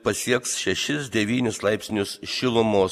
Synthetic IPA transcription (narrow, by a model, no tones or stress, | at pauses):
pɐsʲiɛksʃʲɛʃʲɪsd̪ʲɛʋʲiːnʲʊslˠɐɪpʲsʲnʲʊsʃʲɪlˠʊmoː